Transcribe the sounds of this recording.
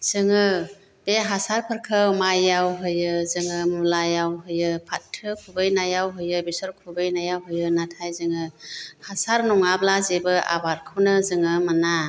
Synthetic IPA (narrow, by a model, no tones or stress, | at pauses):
z̥ɯŋɯ | beɦasaɾpʰɯɾkʰɯwmajːawɦɯjɯzɯŋɯmulajawɦɯjɯpʰatʰːɯkʰubɯjnajawɦɯjɯbisɔɾkʰubɯjnajawɦɯjɯnatʰajzɯŋɯhasaɾnɔŋablazebɯa̰baɾkʰɯwnɯzɯŋɯmana